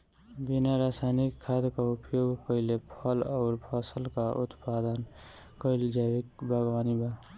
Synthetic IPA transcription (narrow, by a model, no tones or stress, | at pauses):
binaɾaːsajnikʰːad̪kaupjoːɡʱkəɪlepʰʌlɔʊɾpʰəsəlkaʔṵt̪pad̪ənkəɪld͡ʒabik̚baɡwaːniba